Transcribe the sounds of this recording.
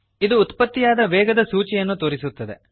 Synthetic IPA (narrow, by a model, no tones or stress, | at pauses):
id̪uːt̪pɐt̪ːijaːd̪ɐʋɛːɡɐd̪ɐsuːt͡ʃɛjɐnːut̪oːɾisut̪ːɐd̪ḛ